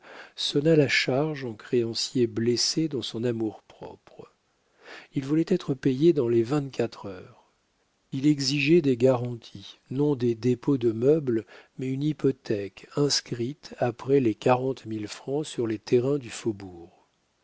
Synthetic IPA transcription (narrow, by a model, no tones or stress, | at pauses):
sɔnalaʃaʁʒɑ̃kχeɑ̃sjeblesed̪ɑ̃sɔ̃namuʁpχɔ̰pχ | ilvulɛt̪ɛt̪χəpejed̪ɑ̃levɛ̃t̪kʲat̪χœːʁ | ilɛɡziʒɛd̪eɡaʁɑ̃t̪ʰinɔ̃d̪ed̪epod̪əmœblmɛynipɔt̪ɛkɛ̃skχit̪apχɛlekaʁɑ̃t̪milfχɑ̃syʁlet̪ʰeʁɛ̃d̪yfobuːʁ